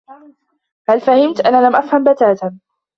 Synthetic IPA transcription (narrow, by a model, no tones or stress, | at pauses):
halfahɪmt̪ʔanaːlamʔafhambat̪aːt̪a